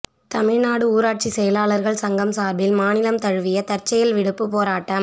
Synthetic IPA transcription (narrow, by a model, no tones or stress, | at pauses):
t̪ɐmɪɻnaːɽɯuːɾaːʈ̚t͡ʃisɛjɐlaːɭɐɾɣɐɭsɐŋɡɐmsaːɾbɪlmaːnɪlɐmt̪ɐɻɯʋɪjɐt̪ɐrt͡ʃːɐjɐlʋɪɽɯpːɯpoːɾaːʈːɐm